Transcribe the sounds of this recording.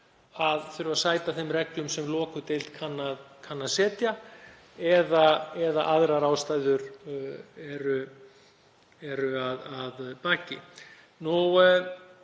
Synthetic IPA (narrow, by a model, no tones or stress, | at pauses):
aðfɪɾʏvasaːjt̪aθɛmrɛklʏmsɛmlɔːkʏt̪ejlt̪kʰanːaðkʰanːaðsɛːt̪ja | ɛðaɛða̰ʔaðɾaɾaːwst̪aːjðʏɾ | ɛɾʏ | ɛɾʏaðaðpaːcɪ̰ | nu